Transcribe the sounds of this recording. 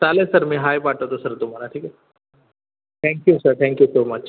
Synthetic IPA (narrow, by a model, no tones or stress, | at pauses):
saːlɛ̃sɐɾmẽɦaːjpaːʈot̪osɐɾd̪ʊmaːnaʈʰiːkɛ | t̪ʰɛ̃ːŋkjusəɾt̪ʰɛ̃ːŋkjusoːmɐt͡ʃ